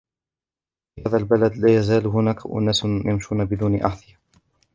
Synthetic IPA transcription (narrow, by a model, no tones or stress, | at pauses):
fihaːðalbalad̪laːjazaːlɦʊnaːkaʔʊ̰naːsjamʃuːnabɪd̪uːnʔa̰ʕθɪja